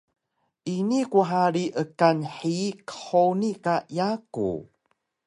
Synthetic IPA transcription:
ʔinikuħaɾiʔəkanħikə̥ħonikajakṵ

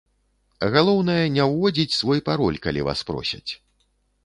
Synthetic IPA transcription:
ɣalˠɔwnɐjɐnʲɛwvɔd͡zʲit͡sʲsvɔjpaɾɔlʲkalʲḭva̰spɾɔ̰sʲɐt͡sʲ

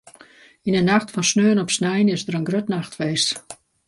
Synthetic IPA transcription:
inənaxtfɔnsnøːnɔpsnɛjənɪzdəɾənɡrøtnaxtfeːst

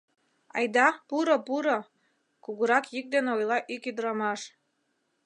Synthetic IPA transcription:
ɑ̰jd̪ɑpuɾopuɾo | kuɣuɾɑkjik̚d̪eneojlˠɑʔikyd̪əɾɑmɑʃ

